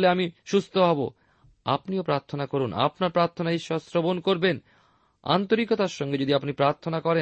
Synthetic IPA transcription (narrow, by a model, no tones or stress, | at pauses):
leamiʃust̪ʰoɦɔbo̰ | a̰pniopɾaɾt̪ʰonakoɾuna̰pnaɾpɾaɾt̪ʰonaiʃɔsɾobonkoɾben | a̰nt̪oɾikot̪aɾʃɔŋɡed͡ʑod̪iapnipɾaɾt̪ʰonakɔɾe